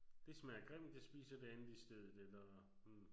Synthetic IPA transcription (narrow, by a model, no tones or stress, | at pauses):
d̥e̝sɒ̽mæɐɡ̥ʁem̰d̥esb̥ḭːsɐd̥e̝ænð̩ˠisd̥eð̞̰ˠð̩ˠelɐ